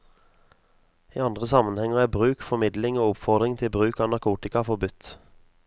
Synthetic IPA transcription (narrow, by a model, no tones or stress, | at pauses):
ḭːɑnd̪ʁəsɑmənhɛŋəʁæːbʁʉːkfɔmɪd̪lɪŋoːʊpfɔʁd̪ʁɪŋt̪ʰɪlbʁʉːkɑːnɑʁkʰuːt̪ɪkɑfɔʁbʉt̪